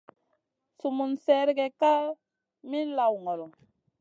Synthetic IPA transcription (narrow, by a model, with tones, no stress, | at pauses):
su˨mu˨nsɛ˨˦ɾi˦ɡɛ˨ka˦ | mi˦n˦la˨wŋɔ˨lɔ˨